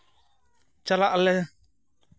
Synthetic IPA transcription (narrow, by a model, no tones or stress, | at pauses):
t͡ʃalaʔalɛ